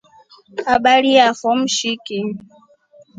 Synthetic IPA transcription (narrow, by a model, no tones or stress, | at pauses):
kaɓaɺiaxɔm̩ʃiki